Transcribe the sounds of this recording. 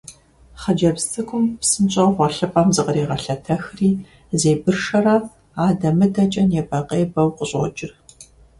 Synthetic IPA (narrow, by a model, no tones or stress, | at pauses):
χɐd͡ʒɐbstʰɨkʷʰʼʊmpsɨnɕʼɐʁʷɔɬɨpʼɐmzɨqəɾeːʁɐɬɐtʰɐxriː | zeːbɨrʃɐra | aːdɐmɨdʰɐt͡ʃʼɐnjɛpʼɐqʼeːbɐwqʷəɕʼo̰t͡ʃʼɪr